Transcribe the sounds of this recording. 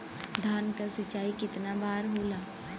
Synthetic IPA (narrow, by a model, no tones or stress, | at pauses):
d̪ʱaːnkasɐt͡ʃaːikɪt̪nabaːɾɦoːlaː